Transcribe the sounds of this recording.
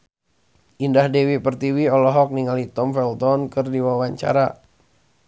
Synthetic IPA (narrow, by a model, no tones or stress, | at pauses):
ʔindahdewipərt̪iwiɔlɔɦɔk̚niŋalit̪ɔmfɛlt̪ɔnkɨrdiwawaɲt͡ʃa̰ɾa